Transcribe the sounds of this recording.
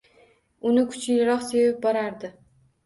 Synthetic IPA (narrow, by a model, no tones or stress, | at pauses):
ʊnɪkʰʊ̥t͡ʃʰɪlɪɾɒqsevap̚bɒɾaɾd̪ɪ